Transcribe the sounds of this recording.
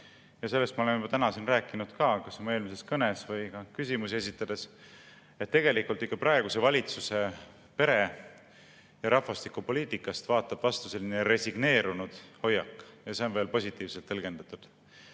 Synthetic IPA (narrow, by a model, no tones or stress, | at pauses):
jɑse̞lːest̪mɑolenjmɑt̪ænɑsinræːkˑːinud̪̥kɑːkɑsomue̞ːlmise̞skɤne̞svɤjkɑkysimusie̞s̬ʲit̪ːˑɑd̪̥e̞s | et̪ːe̞ɡe̞likult̪ːˑikːɑprɑeɡ̥use̞vɑlʲit̪suse̞ | pe̞ɾe | jɑɾɑfɑst̪ikːupo̞liːt̪ːˑikˑːɑst̪vɑːt̪ːˑɑb̥vɑst̪u̥se̞lːineɾe̞siɡ̥ne̞ːɾunud̪̥ho̞jːɑkːˑjɑse̞o̞nve̞ːlpo̞sʲit̪ːˑiːvse̞lt̪ːɤlɡe̞nd̪̥ɑt̪ˑud̪̥